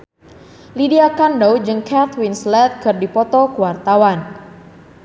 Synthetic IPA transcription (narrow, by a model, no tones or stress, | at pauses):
lidiakandowd͡ʒɨŋkʰat̪winslɛt̪̚kɨrdipɔt̪ɔkəwart̪awan